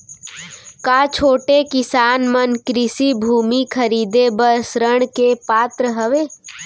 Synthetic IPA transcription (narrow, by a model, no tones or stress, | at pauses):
kaːt͡ʃʰoːʈekɪsaːnmənkɾɪsibʱuːmikʰəɾiːd̪ebəsɾəɽ̃kepaːt̪ɾəɦəʋeː